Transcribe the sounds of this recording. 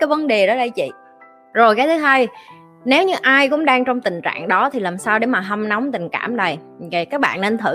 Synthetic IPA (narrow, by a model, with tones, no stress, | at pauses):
kaː˨˦jvə˨˦nɗe˨˩ɗɔ˨˦ɗə˧jt͡ɕḭ˧˨ | zo˨˩jkaː˨˦jt̪ɨ˨˦ɦaː˧j | ne˨˦wɲɨ˧ʔaː˧jkʊ̰˧˥ŋ͡mɗaː˧ŋt͡ɕɔ˧wŋ͡mt̪ï˨˩ŋ̟t͡ɕa̰ː˧˨ŋɗɔ˨˦t̪ʰi˨˩laː˨˩msaː˧wɗe˧˩maː˨˩ɦə˧mnɔ˨˦wŋ͡mt̪ï˨˩ŋ̟ka̰ː˧˩mɗə˨˩j | ə˨˩jkaː˦˥k̚ɓa̰ː˧˨nːe˧nt̪ʰɨ̰˧˩